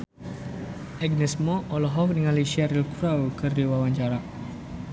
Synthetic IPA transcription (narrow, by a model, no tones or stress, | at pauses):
ɛɡnɛsmɔʔɔlɔɦɔk̚niŋaliʃɛɾilkɾawkəriwawaɲd͡ʒaɾaʔ